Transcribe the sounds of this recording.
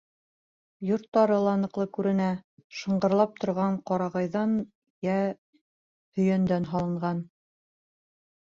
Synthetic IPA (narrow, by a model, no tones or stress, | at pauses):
jŏɾt̪ːɑɾɤlˠɑnɤ̆qlˠɤkʉɾɘ̆næʃɤ̆ɴɢɤ̆ɾlˠɑp̚t̪ŏɾʁɑɴqɑɾɑʁɑjðɑn | jæ | hɵ̆jænd̪ænɦɑlˠɤ̆ɴʁɑn